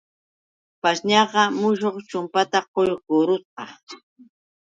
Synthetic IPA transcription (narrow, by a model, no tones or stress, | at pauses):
paʃɲɑɢɑmʊʃ̬oχt͡ʃʊmpat̪aqojɡʊɾʊt͡sqɑ̰